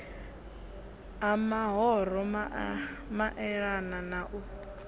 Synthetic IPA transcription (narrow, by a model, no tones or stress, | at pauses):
amaɦɔɾ̤ɔmamaʔɛɺananaʔu